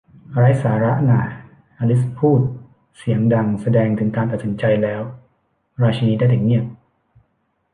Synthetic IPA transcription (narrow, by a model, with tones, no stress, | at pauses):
ɾaː˦˥jsaː˩˦ɾa˦˥ʔnaː˨˩ | ʔa˧li˦˥spʰuː˥˩t̪̚ | si˨˩˦əŋda˧ŋsa˧dɛː˧ŋt̪ʰɯ˩˦ŋkaː˧nt̪a˨˩si˩˦nt͡ɕa˧jlɛː˦˥w | ɾaː˧t͡ɕʰa˧iː˦˥daː˥˩t̪a˨˩k̚ni˥˩ək̚